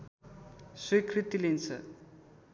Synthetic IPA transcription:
swikʰrit̪ilent͡sʰʌ̰

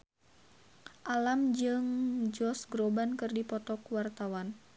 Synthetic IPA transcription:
ʔalamd͡ʒɨŋd͡ʒɔsɡɾobankɨrdipɔt̪ɔkwart̪awan

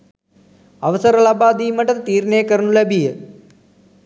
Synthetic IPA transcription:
ɐʋɐsɐɾɐlɐbaːd̪iːmɐʈːɐt̪t̪iːɾnejəkɐɾɐnulebijə

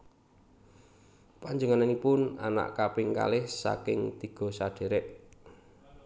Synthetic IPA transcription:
paɲd͡ʒuŋananipʊnana̰ʔkapɪŋka̰lɪhsa̰kɪŋt̪iɡ̥ɔ̤saɖ̥e̤ɾɛʔ

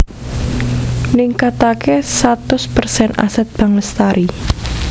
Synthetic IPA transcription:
niŋkat̪akesat̪ʊspərsɛna̰sɛt̪̚b̥a̤ŋəst̪aɾʔi

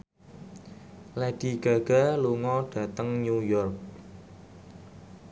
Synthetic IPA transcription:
lɛɖ̥i̤ɡ̥a̤ɡ̥a̤luŋɔɖ̥ä̤t̪əŋɲujɔrk̚

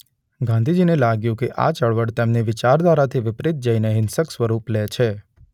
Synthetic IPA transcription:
ɡãnd̪ʱid͡ʒinelaɡjũkeʔa̰t͡ʃəɭʋəɽt̪emneʋɪt͡ʃaɾd̪ʋaɾat̪ʰiʋɪpɾɪt̪̚d͡ʒəineɦɪnsəksʋəɾuplet͡ʃʰe

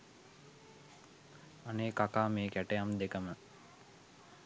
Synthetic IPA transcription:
aneːkakaːmeːkæʈejamd̪ekəmə

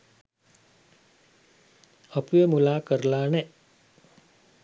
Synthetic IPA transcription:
apujemulaːkəɾəlaːnɛ

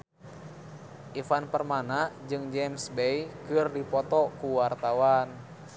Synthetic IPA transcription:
ʔifanpərmanad͡ʒɨŋd͡ʒɛmsbɛjkɨrdipɔt̪ɔkuwart̪awan

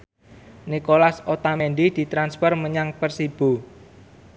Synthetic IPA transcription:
nikolasot̪amɛnɖ̪id̪̥i̤t̪ɾanspərməɲaŋpərsib̥o̤

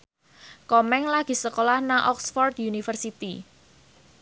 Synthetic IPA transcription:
kɔmɛŋlaɡ̥i̤səkolahnaʔɔksfɔrt̪̚junifərsit̪i

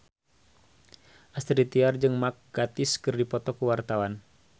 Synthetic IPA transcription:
ʔast̪ɾit̪iard͡ʒɨŋmak̚ɡ̥at̪ɪskɨrdipɔt̪ɔkuwart̪awan

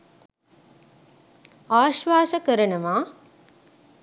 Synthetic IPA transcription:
aːʃʋaːʃəkəɾənəʋaː

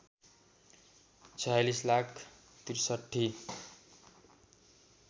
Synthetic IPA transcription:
t͡sʰʌjlislakʰ | t̪irsʌʈʰːi

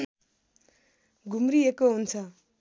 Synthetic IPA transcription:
ɡʱumɾiekoɦunt͡sʰʌ

